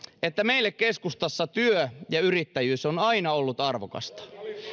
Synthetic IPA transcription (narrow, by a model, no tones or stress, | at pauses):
et̪ːæme̞ilːekke̞skust̪ɑsːɑt̪yøjɑyrit̪ːæjyːsonɑinɑolːut̪ɑrʋokɑ̰st̪ɑ̥